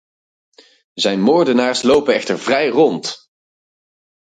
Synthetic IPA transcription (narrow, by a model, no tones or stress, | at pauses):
zɛjnmʊːɹdənaːɹslowpənɛχtəɹvrɛjrɔnt